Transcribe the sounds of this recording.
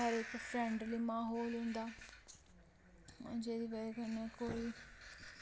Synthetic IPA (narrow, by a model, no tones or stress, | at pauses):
əɾɪkpʰɾɛ̃ːɳɖliːmaːɦoːlɦʊ̃nd̪aː | d͡ʒeːd̪iːʋəɾkənɛːkoːiː